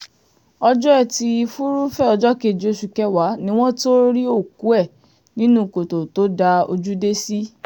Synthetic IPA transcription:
ɔ˧d͡ʒɔ˦ɛ˦˨ti˧i˧fu˦ɾu˦fɛ˦ɔ˧d͡ʒɔ˦ke˨d͡ʒi˨o˧˨ʃu˨kɛ˦wa˨˦nĩ˦w̃ɔ̃˦to˦ɾi˦o˦˨ku˨˦ɛ˦˨ | nĩ˦nũ˦˨ko˨to˨to˨˦da˧o̰˧d͡ʒu˦de˦si˦

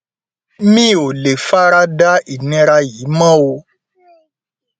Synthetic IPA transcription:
mĩ˦˨o˨le˨fa˦ɾa˦da˦i˨nĩ˧ɾa˧jiː˨˦mã˦˨o˧

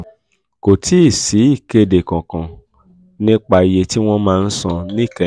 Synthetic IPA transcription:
ko˨tʰi˨˦i˦˨si˨˦i˦˨ke˧de˨kã˨kã˨ | nĩ˦k͡pa˧i˨je˨˧ti˦w̃ɔ̃˦mãː˧n̩˦sã˧nĩ˦˨kɛ̃˧˨

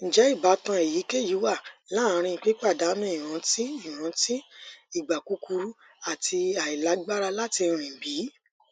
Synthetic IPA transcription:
n̩˨d͡ʒɛ˨˦i˦˨ba˨˦tɔ̃˧e˨ji˨˦ke˦˨ji˨˦wa˦˨la˦˨˦ɾ̃ĩ˧˨k͡pi˦k͡pa˦˨da˨˦mĩ˦˨ɾ̃ã˨˦ti˦i˦˨ɾ̃ã˨˦ti˦i˦˨ɡ͡ba˨ku˨˦ku˧ɾu˦ | a˦˨tʰi˧a˨i˨la˨˦ɡ͡ba˦ɾa˧la˦ti˧ɾ̃ĩ˨bi˨˦

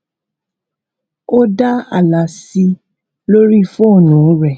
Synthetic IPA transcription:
o˦da˦a̰˦˨la˨si˧ | lo˦ɾi˦˨fo˦˨nũ˨˦ɾɛ˦˨

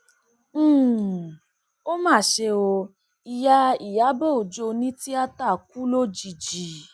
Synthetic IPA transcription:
o˦mãː˦˨ʃe˧o˧ | i˨ja˧i˨ja˨˦bo˦˨o˨d͡ʒo˧nĩ˦ti˦a˦ta˦˨k̚u˦lo˦d͡ʒi˨d͡ʒi˨

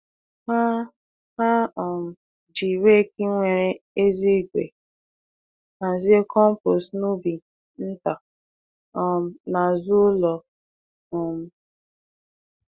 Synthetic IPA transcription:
ha˦ | ha˦ɔ˨m̩˨ | d͡ʒi˨we˦˨ki˦ŋʷe˨ɾe˦e˦zi˦˨ɡʷḛ˨ | a˨zi˦e˦kʰɔ˦m̩˦po˨snu˦bi˨ | n̩˦ta˨ | ɔ˨m̩˨na˨zʊ˦lɔ˨ | ɔ˨m̩˨

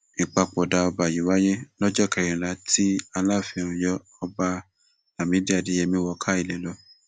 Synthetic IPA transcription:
ĩ˨k͡pa˧k͡po˨da˧ɔ˧ba˨ji˨˦wa˦je˦lɔ˦d͡ʒɔ˦˨kɛ˧˨ɾĩ˨la˨˧˦ti˦a˧la˦˨fi˧˦˨ũ˨jɔ˦ | ɔ˧ba˧ | a˨mĩ˨˦di˦a˨di˨˦jɛ˧mĩ˧˦wɔ˧kʰa˦i˦˨lɛ˨˦lɔ˧˦

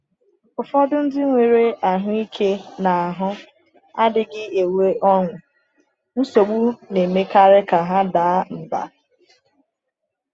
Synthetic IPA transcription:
ʊ˨fɔ˦dʊ˦n̩˦dɪ˦ŋʷe˨ɾe˦ʔa˨ɦʊ˦i˦kʰe˦na˨a˨ɦʊ˦ | a˦dɪ˨ɡɪ˦e˨we˦ʔɔ˦ŋʷʊ˨ | n̩˦so˨ɡ͡bu˦ne˨me˦ka˦ɾɪ˦ka˨ɦa˦da˨˦m̩˨ba̰˨

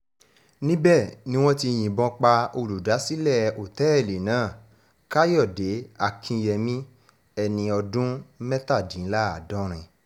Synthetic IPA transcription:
nĩ˦bɛ˦˨nĩ˦w̃ɔ̃˦ti˧j̃ĩ˨bɔ̃˧k͡pa˧o˧lu˨da˨˦si˦lɛ˦˨o˨tɛ˨˦ɛ˦˨le˨nãː˨˦˨ | ka˦jɔ˦˨de˨˦a˧˨kʰĩ˧jɛ˧mĩ˦ | ɛ˧nĩ˧ɔ˧dũ˦mɛ̃˦ta˦˨dĩ˨˦la˦a˨dɔ̃˦ɾ̃ĩ˧

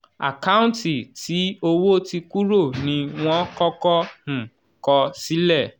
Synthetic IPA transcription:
a̰˨ka˦ũ˦nti˨ti˨˦o˧wo˦ti˧ku˦ɾo˦˨nĩ˧w̃ɔ̃˦kɔ˦kɔ˦h̩˨ | kɔ˧si˨˦lɛ˦˨

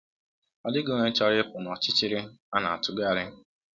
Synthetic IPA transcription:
ɔ˦dɪ˦ɡo˦˨ŋʷe˦t͡ʃɔ˦ɾɪ˦pʊ˨nɔ˨t͡ʃɪ˦t͡ʃɪ˦ɾɪ˦a˦na̰˨a̰˨tʊ˦ɡa˦˨ɾɪ˦

